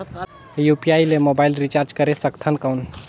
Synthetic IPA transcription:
jupiajlemobailɾit͡ʃaɾd͡ʒkəɾesəkt̪ʰənkəwn

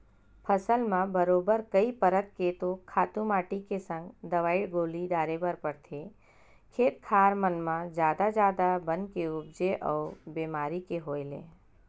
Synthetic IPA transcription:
pʰəsəlmãbəɾoːbəɾkəipəɾət̪̚ket̪okʰaːt̪ũmaːʈikesə̃ŋɡd̪ɐʋaːiɽɡoːlid̪aːɾebəɾpəɽt̪ʰe | kʰeːt̪̚kʰaːɾmənmãd͡ʒjaːd̪ad͡ʒjaːd̪abənkeʊbd͡ʒeʔɔːɾbeːmaːɾikeɦoːelḛ̃ː

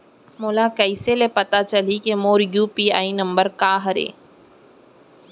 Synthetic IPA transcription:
moːlakɐɪselepɐt̪at͡ʃɐlikemoːɾjuːpiːa̰ːinɐ̃mbəɾkaːɦɐɾḛː

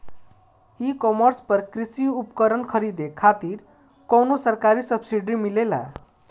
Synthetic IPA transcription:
ikɔməɾspəɾkɾisiupkəɾənkʰəɾid̪ekʰːat̪iɾ | kɔwnosəɾkaɾisəbsiɖimilela̰

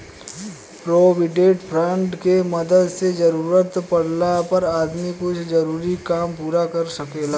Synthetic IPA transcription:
pɾoːʋɪɖeːʈpʰɾə̃ɳʈkemɐd̪əd̪sed͡ʒɐɾuːɾət̪pɐɽnapɐɾaːd̪mikʊt͡ʃʰd͡ʒɐɾuːɾikaːmpuːɾakɐɾsɐkeːlaː

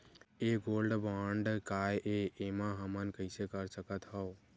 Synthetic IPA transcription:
eɡolɖbaɳɖkajʔeemaɦəmənkəɪsekəɾsəkət̪ɦəʊ

